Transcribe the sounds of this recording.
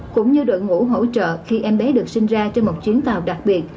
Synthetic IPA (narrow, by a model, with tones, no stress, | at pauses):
kʊ̰˧˥ŋ͡mɲɨ˧ɗə̰˧˨nŋṵ˧˥ɦo̰˧˥t͡ɕə̰ː˧˨xi˧ʔɛ˧mɓɛ˨˦ɗɨ˨˩ək̚sï˧ŋ̟zaː˧t͡ɕe˧nmo˨˩t̚t͡ɕwi˨˦ənt̪aː˨˩wɗa˨˩k̚ɓi˨˩ət̚